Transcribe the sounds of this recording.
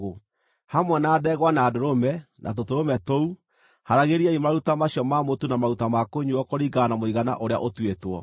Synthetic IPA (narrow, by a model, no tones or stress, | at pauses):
o | hamwɛnaːðɛɣwanaːdoɾomɛnʔa̰t̬otoɾomɛtou | haɾaɣeɾiaimaɾutamaɕjɔmamotunamaɾutamakoɲuɔkoɾiɡanamoiɣana̰ʔoɾea̰ʔotwetwɔ